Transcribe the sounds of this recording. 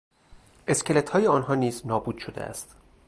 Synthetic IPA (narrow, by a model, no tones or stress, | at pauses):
ʔe̞scʲelet̪ʰhɒːjeɒːnɦɒːniːznɒːbuːd̪̥ʃo̞d̪ḛʔæ̰st̪